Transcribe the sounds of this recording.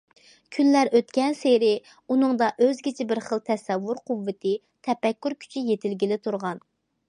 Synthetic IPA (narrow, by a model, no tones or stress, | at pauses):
kʲʰynlæɾøt̪kʲɛnseɾɪ | unɨŋd̪ɑʔøzɡʲit͡ʃʰɪbɪɾχəlˠt̪ʰɛsɛvːuɾqʰuvːɪt̪ʰɪ | t̪ʰɛpɛkʲːyɾkʲʰy̥t͡ʃʰijet̪ʰɪlɡʲilɪt̪ʰuɾʁɑn